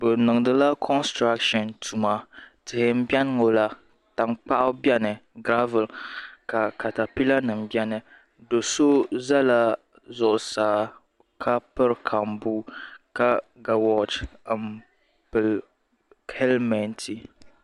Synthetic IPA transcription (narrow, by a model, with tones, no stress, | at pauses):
bɨ˨nɨ˨ŋ˨dɨ˦la˦kʰɔ˦nstɾa˦kʃɔ˨ntʰu˨ma˨tɨ˨hɪ˨m̩˦bi˦ɛ˦n˦ŋo˨la˦ | ta˨ŋk͡pa˦ʔʊ˦bɛ˦nɨ˨ɡɾa˦vɨ˨lka˨ka˨ta˨pi˦la˦nɨ˨m̩bjɛ˦nɨ˨ | do˨so˦za˦la˦ | zʊ˨ʔʊ˨saː˨ | kʰa˦pɨ˦ɾkʰa˨mbu˦ka˦ɡa˨wɔ˦tm | pɨ˨l | hɛ˦lmɛ˨ntʰi˨